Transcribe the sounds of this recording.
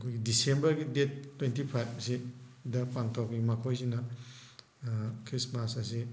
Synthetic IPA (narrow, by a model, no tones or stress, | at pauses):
ɐkʰojɡidisembɐɾɡidetːwentipʰajbsidɐpaŋtʰawkiimɐkʰojzinɐ | kʰɾismasɐsi